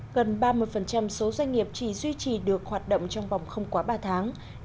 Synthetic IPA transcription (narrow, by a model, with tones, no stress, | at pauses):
ɣə˨˩nɓaː˧mɨ˧əjfə˨˩nt͡ɕa˧mso˨˦zwa˧ŋ̟ŋi˨˩əp̚t͡ɕi˧˩zwi˧t͡ɕi˨˩ɗɨ˨˩ək̚hwaː˨˩t̚ɗə̰˧˨wŋ͡mt͡ɕɔ˧wŋ͡mva˨˩wŋ͡mxə˧wŋ͡mkwaː˨˦ɓaː˧t̪ʰaː˨˦ŋ